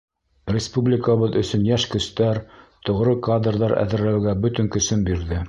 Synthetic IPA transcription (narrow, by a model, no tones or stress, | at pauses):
rʲɪspublʲɪkəβɤðɵ̆sɵ̆njæʃkɵ̆st̪æɾt̪ŏʁɾɤkad̪rðɑɾæ̰ðɘ̆ɾlæwɡæbɵt̪ɵŋkɵ̆sɵnbiɾðɘ